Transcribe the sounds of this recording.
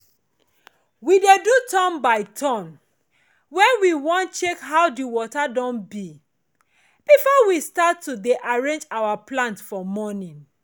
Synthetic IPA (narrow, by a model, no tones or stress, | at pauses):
widedutɔ̃mbaɪtʰɔ̃n | wɛ̃nwiwɔ̃nt͡ʃekɦaʊwdiwɔtadɔ̃nbi | bifɔwistatːudeʔaɹẽnd͡ʒawaplãntfɔmɔnĩn